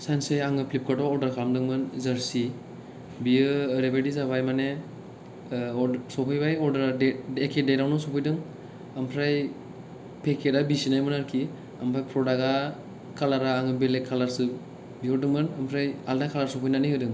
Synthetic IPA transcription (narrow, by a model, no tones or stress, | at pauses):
sanseaŋɯpʰlip̚katɔɔɾdaɾkʰamdɯŋmɯnzaɾsi | biɯːɾebajdizaβajmane | ɔsɔpʰɯjbajɔɾdaɾeekʰedejɾawnɔsɔpʰɯjdɯŋ | ampʰɾaj | pʰekʰedabisinajmɯnaɾkʰi | ampʰɾajpʰɾɔdaɡa | kʰalaɾaːŋɯbelekʰːalaɾsɯp̚ | biɔdɯŋmɯnampʰɾajaldakʰalaɾsɔpʰɔjnanihɯdɯŋ